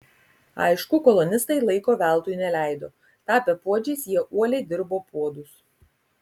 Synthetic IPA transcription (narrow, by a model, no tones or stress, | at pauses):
ɑ̰ɪʃkʊkɔlˠɔnʲɪst̪ɐɪlˠɐɪkoːʋʲæˑlˠt̪uːjnʲɛlʲæˑɪd̪oː | t̪ɑːpʲɛpuɔd͡ʒʲeːsjiɛʔuɔlʲɛɪd̪ʲɪɾboːpuɔd̪ʊs